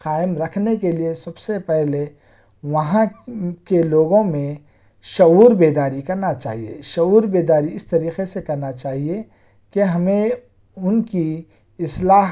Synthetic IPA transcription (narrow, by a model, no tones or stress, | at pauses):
qaːɪmɾɐkʰnekeliesɐbsepɛɦle | ʋɐɦãkeloːɡõmẽ | ʃɐuːɾbeːd̪aːɾikɐɾnat͡ʃa̰ːɦiḛʃɐuːɾbeːd̪aːɾiɪst̪ɐɾiːqesekɐɾnat͡ʃaːɦie | keɦɐmẽ | ʊnki | ɪslaːɦ